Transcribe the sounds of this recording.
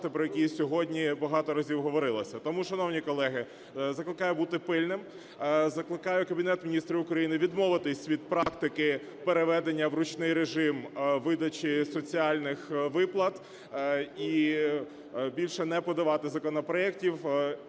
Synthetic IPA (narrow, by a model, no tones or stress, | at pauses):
t̪ɪpɾɔjɛkʲisʲɔɦɔdʲnʲibɐɦɑt̪ɔɾɐzʲiwɦɔʋɔɾɪlˠɔsʲɐt̪ɔmuʃɐnɔwnʲikɔlˠɛɦɪ | zɐklˠɪkɑjʊbut̪ɪpɪlʲnɪm | zɐklˠɪkɑjʊkɐbʲinɛt̪mʲinʲist̪ɾʲiʊkɾɐjinɪʋʲid̪mɔʋɪt̪ɪsʲʋʲid̪̚pɾɑkt̪ɪkɪ | peɾeʋɛd̪enʲːɐwɾʊt͡ʃnɪjɾeʒɪmʋɪd̪ɐt͡ʃisɔt͡sʲiɑlʲnɪxʋɪplˠɐt̪ | i | bʲilʲʃɛnɛpɔd̪ɐʋɑt̪ɪzɐkɔnɔpɾɔɛk̚tʲiw